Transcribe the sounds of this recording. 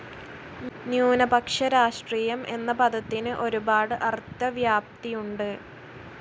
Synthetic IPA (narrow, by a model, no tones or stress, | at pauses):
njuːnɐbɐkʂɐɾaːʂʈriːjɐmʔe̞nːɐpɐd̪ʱɐt̪ːinɨʔo̞ɾubaːɽɨʔɐrt̪ːɐʋjaːp̚t̪ijuɳɖɨ